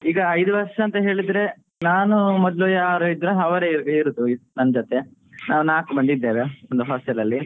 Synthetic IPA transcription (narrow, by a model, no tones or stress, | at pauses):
iːɡɐːjd̪uʋɐɾʂɐɐːnt̪ɐɦe̞ːɭid̪ɾe̞ | naːnumɔd̪lojɐaːɾoid̪ɾeɦɐʋɐɾeɡiɾud̪unɐnɐd͡ʒot̪e̞ | naːʋunaːkubɐɳd̪id̪ːe̞ːʋeond̪uɦɔːsʈɛlːɐlːi